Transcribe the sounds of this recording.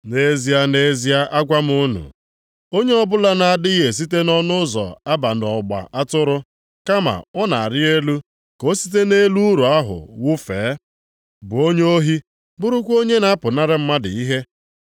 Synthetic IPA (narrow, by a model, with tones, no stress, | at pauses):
ne˨zi˨a˦ne˨zi˦a˦ʔa˦ɡʷa˦m̩˦ʊ˦nʊ̰˨ | o˦ɲe˦ɔ˦bʊ˦la˦na˨a˨dɪ˦i˦ɦe˨s̬i˦te˦nɔ˦nʊ˦zɔ̰˨a˦ba˨n˨ɔ˨ɡ͡ba̰˨ʔa˦tʊ˦ɾʊ˦ | ka˦ma̰˨ɔ˦na˨a˨ɾɪ˦e˦lu˦ | ko˦si̥˦t̬e˦ne˦lu˦ɾu˨a˦ɦʊ̰˨wʊ˦feː˨˦ | bʊ˨o˦ɲe˦o˦ɦi˦ | bʊ˦ɾʊ˦kʷo˦ɲe˦na˦pʊ˨na˦ɾɪ˦m̩˦ma˦dɪ˨i˦ɦe˦